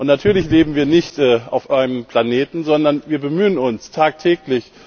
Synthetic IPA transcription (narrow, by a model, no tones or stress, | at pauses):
ʔʊntnatʰyːɐlɪçleːbm̩viːɐnɪçtʔɛːʔa̰ʊfʔaɪnəmpl̥aneːtn̩zɔndɐnviːɐbəmyːənʊnstʰaːk̚tʰɛːklɪç